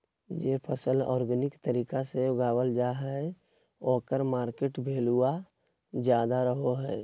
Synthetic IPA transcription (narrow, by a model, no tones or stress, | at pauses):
d͡ʒeːpʰəsəlɔ̰ːɾɡənɪkt̪əɾiːkaseʊɡaːwəld͡ʒaɦɛ | oːkəɾmaːɾkeːʈbʱeːlua | d͡ʒjaːd̪aɾəɦoɦɛː